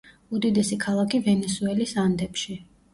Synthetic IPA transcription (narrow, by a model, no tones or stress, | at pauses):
ud̪id̪ɛsikʰalˠakʰivɛnɛsuɛlisand̪ɛpʃi